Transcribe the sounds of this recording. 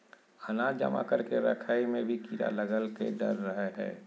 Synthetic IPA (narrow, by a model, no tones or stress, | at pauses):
ənad͡ʒə̰ma̰kəɾkeɾə̰kʰaːimẽbʱikiɾa̰ləɡəlkḛɖəɾːəɦeɦɛ̰ː